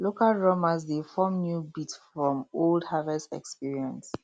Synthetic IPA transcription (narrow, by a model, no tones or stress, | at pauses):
lokalɹomazdefɔ̃mnjubitfɹɔ̃moldhavɛsɛ̰kspiɹiɛ̃ns